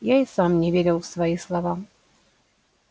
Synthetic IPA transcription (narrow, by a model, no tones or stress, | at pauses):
jaɪsamnʲɪvʲeɾʲɪlˠfsvɐislˠɐva